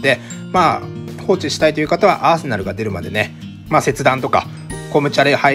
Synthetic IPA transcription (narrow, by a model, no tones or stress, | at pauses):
d̪e̞maː | ho̞ːt͡ɕiɕi̥t̪ait̪o̞jɯ̟kat̪aβa̰ʔaːse̞naɾɯ̟ɡad̪e̞ɾɯ̟mad̪e̞ne̞ | maːse̞t͡sɨd̪ãnt̪o̞ka̰ | ko̞mɯ̟t͡ɕiaɾeha